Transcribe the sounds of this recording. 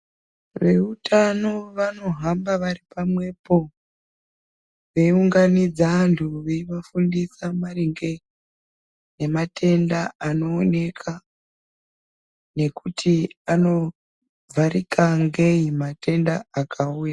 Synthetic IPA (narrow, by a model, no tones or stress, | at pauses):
ʋe̞utʰano̞ʋano̞ɦambaʋaripamwe̞po̞ | ʋe̞iuŋɡanid͡zantʰuʋeiʋafundisamariŋɡe | ne̞matʰe̞ndaːno̞ːne̞kʰa | ne̞kutʰiano̞ | vʱaɾikaŋɡe̞imate̞ndaːkʰauja